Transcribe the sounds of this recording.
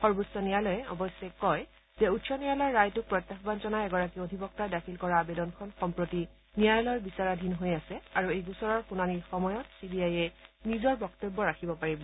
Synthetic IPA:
xɔɹbusɔnijalɔjɛɔ̰bɔsɛkɔj | zɛutsɔnijalɔɹːajtʊk̚pɹɔt̪ːaxbant͡ʃɔnajɛɡɔɹak̬iodʱibɔk̚tadakʰilkɔɹabedɔnkʰɔnxɔmpɹoti | nijajlɔɹbisaɹadʱinɦojasɛaɹuejɡusɔɹɔɹxunaniɹxɔmɔjɔtsibiajɛnizɔɹbɔktobːɔɹakʰibɔpaɹibɔ

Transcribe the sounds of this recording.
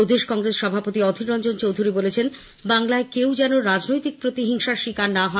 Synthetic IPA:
d̪ʱeʃkɔŋɾesʃɔbʱapot̪iɔd̪ʱiɾɔnd͡ʑont͡ɕowd̪ʱuɾibolet͡ɕʰen | baŋlaekewd͡ʑɛnoɾad͡ʑnojt̪ik̚pɾot̪iɦiŋʃaʃikaɾnaɦɔ

